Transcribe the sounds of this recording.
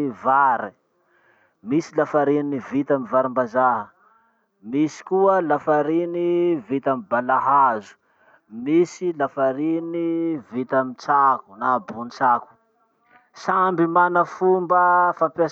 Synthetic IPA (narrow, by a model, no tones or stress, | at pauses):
vaɾi | misilafaɾinnivit̪amivaɾimbazaɦə | misi̥kuəlafaɾinivit̪amibalaɦazu̥ | misilafaɾinivit̪amit͡saku̥nabunit͡saku̥ | sambimanəfumbəfampa